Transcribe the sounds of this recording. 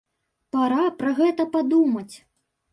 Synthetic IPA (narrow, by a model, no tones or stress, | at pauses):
paɾapɾɐɣɛt̪ɐpad̪umɐt͡sʲ